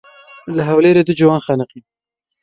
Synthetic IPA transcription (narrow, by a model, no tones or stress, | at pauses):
laɦawleɾed̪ud͡ʒʊwɑːnxɑnəqi